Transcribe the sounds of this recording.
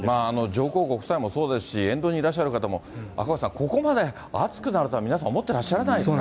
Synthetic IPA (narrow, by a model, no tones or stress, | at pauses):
maːno̞d͡ʑo̞ːko̞ːkokɯ̟saimo̞so̞ːd̪e̞sɨ̥ɕiẽ̞nd̪o̞ɲ̟iːɾaɕ̬ːaɾɯ̟kat̪amo̞a̰kas̬ãŋkʰo̞ko̞mad̪e̞ | at͡sɨ̥kɯ̟naɾɯ̟t̪oamʲinas̬ãomot̪ːe̞ɾaɕːaɾanaidesk